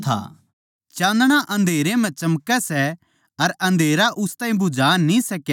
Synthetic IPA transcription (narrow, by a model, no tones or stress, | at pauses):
t̪ʰa̰ː | t͡ʃãːnd̪ɽ̃aʔɐ̃nd̪ʱeːɾẽmɛ̃t͡ʃɐmkɛsɛ | ɐɾɐ̃nd̪ʱeːɾaʔʊst̪ãːĩbʊd͡ʒaːnĩsɐkː